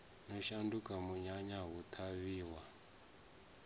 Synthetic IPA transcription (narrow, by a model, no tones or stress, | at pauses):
nɔʃandukʼamuɲaɲaɦut̪ʰaβiːwa